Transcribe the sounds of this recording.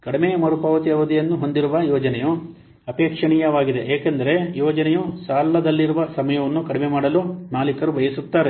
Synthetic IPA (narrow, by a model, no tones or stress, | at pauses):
kɐɽimejɐmɐɾupɐːʋɐt̪iɐʋɐd̪ijɐnːuɦo̞nd̪iɾuʋɐjɔːd͡ʒɐnɛju | ɐpeːkʂɐɳijɐʋaːɡid̪e̞ʔeːkend̪ɐɾe̞jɔːd͡ʒɐnɛjusaːlːɐd̪ɐlːiɾuʋɐsɐmɐjɐʋɐnːukɐɽimemaːɽɐlunaːlikɐɾubɐjɐsut̪ːaːɾe